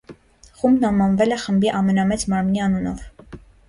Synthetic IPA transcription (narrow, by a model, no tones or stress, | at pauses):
χumbnɑmɑnvɛlɛχəmbiʔɑmɛnɑmɛt͡smɑɾmniɑnunɔ̰v